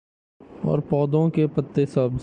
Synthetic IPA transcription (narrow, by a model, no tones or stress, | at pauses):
ɔ̰ːɾpɔːd̪õkepət̪ːesəb